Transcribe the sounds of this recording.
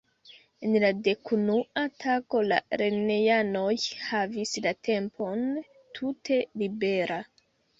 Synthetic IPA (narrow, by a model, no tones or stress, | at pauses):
enlade̞kunuatʰako̞la̰ɾe̞neano̞jhavislatʰe̞mpʰo̞n | tʰutʰe̞libe̞ɾʔa